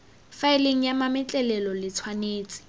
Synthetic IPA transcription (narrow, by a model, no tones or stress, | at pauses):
faɪleŋ̩jamamɪt͡ɬʼɛlɛlɔlɪt͡sʰwaneːt͡sʼɪ̥